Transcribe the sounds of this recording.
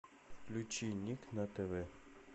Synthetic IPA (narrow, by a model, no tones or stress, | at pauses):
klʲut͡ʃinʲːiknɐt̪ɛvɛ